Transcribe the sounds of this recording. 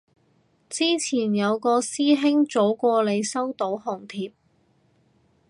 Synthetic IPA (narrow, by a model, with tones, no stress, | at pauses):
t͡siː˥t͡sʰiː˨˩njɐ˨˧wkɔː˧siː˥ɦɪ˥ŋt͡so˨˥wkʷɔː˧le˨˧jsɐ˥wt̪o˨˥wɦɔ˨˩ŋt̪ʰiː˧p̚